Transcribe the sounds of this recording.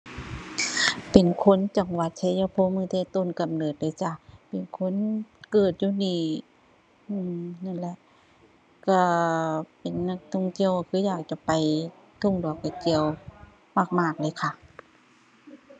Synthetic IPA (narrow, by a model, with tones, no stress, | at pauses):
pe˨nkʰo˧˥˨nt͡ɕa˨˩ŋwa˧˩t̪̚t͡ɕʰa˧˥˦jaː˧˩pʰoː˧˥˨mɯː˧˨t̪ʰɛː˧˨t̪o˧˨nka˨mnɤː˨˩t̪̚daː˧˩˨t͡ɕa˧˩pe˨˩nkʰo˧˥˨nkɤː˨˩t̪̚juː˧˨niː˧˩ | ɯː˧˩na˧˥˨nlɛ˧˨ʔ | ka˧˩pe˨nːa˧˩k̚t̪ʰɔ˧˩˨ŋt̪i˧˥˨əwa˧kʰɯː˧˦jaː˨˩k̚t͡ɕa˧˨pa˨˩j | t̪ʰo˧˩˨ŋdu˨˩˨kːa˧˩ki˧˨əw | maː˧˩k̚maː˧˩k̚lɤː˧˦˨kʰa˧˩˨